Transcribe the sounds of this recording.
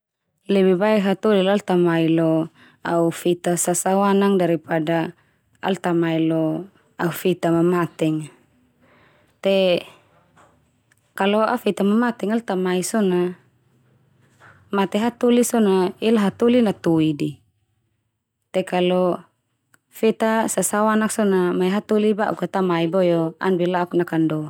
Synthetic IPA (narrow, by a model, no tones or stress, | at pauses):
lɛbibaɛɦat̪ulilalt̪amailo | aufit̪asasawanaŋdaɾipada | a̰lt̪amailɔ | aufit̪amamat̪ɛŋ | t̪e | kalɔafit̪amamat̪ɛŋalt̪amaisɔna | mat̪ɛɦat̪ulisɔnailaɦat̪ulinat̪uidi | t̪ɛkalɔ | fit̪asasawanak̚sɔnamaiɦat̪uliba̰ʔṵkat̪amaibɔjoa̰nbilaknakandɔ